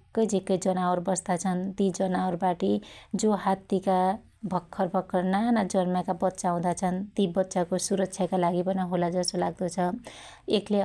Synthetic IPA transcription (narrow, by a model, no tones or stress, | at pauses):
kːʌjd͡zekːʌjd͡zʌnaorbʌsd̪at͡sʰʌnt̪id͡zʌnaorbaʈid͡zoɦat̪ːika | bʱʌkʰːʌrbʱʌkʰːʌrnanʌd͡zʌrmakabʌtːsaũd̪at͡sʰʌnt̪ibʌt̪ːsakosuɾʌk̚t͡sʰjakalaɡibʌnaɦolad͡zʌst̪olaɡ̚d̪ʌt͡sʰʌ | ekʰle